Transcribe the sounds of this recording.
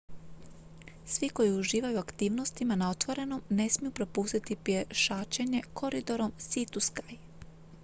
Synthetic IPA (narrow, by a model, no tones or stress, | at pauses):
sʋiko̞jiuʒiːʋajuakt̪iːʋno̞st̪imanao̞t̪ʋo̞ɾe̞no̞mne̞smijupɾo̞puːst̪it̪ipjeʃaːt͡ʃe̞ɲe̞kʰo̞ɾid̪o̞ɾo̞msit̪uskaj